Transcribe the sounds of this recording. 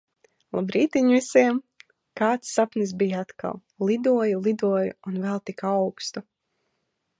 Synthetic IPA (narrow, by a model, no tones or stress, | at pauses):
lˠabɾiːt̪iɲvisiɛm | kaːt̪sːapnis̬bijat̪ka̰lˠ | lˠid̪uɔjulˠid̪uɔjṵunvɛlˠt̪ikawkst̪u